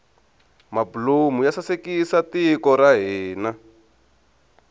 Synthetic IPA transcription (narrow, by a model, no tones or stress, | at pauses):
mabulumujasasekisatikɔɾaɦiːna